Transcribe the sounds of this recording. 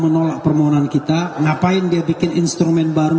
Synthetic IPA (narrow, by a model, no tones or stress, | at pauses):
mənolak̚pərmoɦɔnankit̪aŋapaɪndiabikɪninst̪ɾumɛnbaɾu